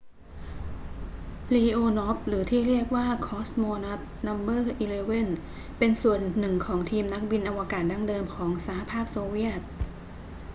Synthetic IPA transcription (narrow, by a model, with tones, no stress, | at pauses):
liː˧ʔoː˧nɔ˦˥p̚ɾɯː˩˦t̪ʰiː˥˩ɾi˥˩ək̚waː˥˩kʰɔː˦˥smoː˧na˦˥t̪̚na˧mbɤː˥˩ʔiː˧leː˧we˥˩n | pe˧nsu˨˩ənːɯ˨˩ŋkʰɔː˩˦ŋt̪ʰiː˧mna˦˥k̚bi˧nʔa˧wa˧kaː˨˩t̪̚da˥˩ŋdɤː˧mkʰɔː˩˦ŋsaː˩˦ha˧pʰaː˥˩p̚soː˧wi˥˩ət̪̚